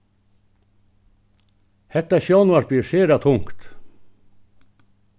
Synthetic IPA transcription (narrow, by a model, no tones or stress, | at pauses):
hɛt̪ɑʃjɑnʊɑʃbiːʃeːɾɑt̪ʰʊŋkt̪